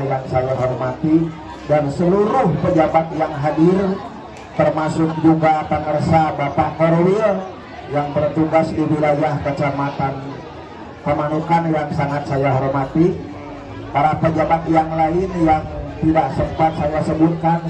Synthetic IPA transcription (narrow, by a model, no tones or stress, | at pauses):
jaŋsajaɦɔrmat̪i | dansəluɾʊhpəd͡ʒabat̪̚jaŋɦadir | t̪ərmasʊk̚d͡ʒuɡapəŋərsabapaʔhɔrwin | jaŋbərt̪uɡasdiwilajahkət͡ʃəmat̪an | pəmanukanjaŋsaŋat̪̚sajaɦɔrmat̪i | paɾapəd͡ʒabat̪̚jaŋlaɪnjaŋt̪idaksəmpat̪̚sajasəbut̪̚kan